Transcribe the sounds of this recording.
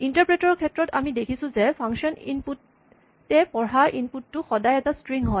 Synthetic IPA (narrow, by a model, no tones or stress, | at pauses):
intaɹpɹetɔɹkʰɛtːɹɔtamidekʰisũzɛpʰaŋʃɔnḭnputː | ɛpɔɹaɹʔinputːʊxɔdajɛtastɹiŋɦɔj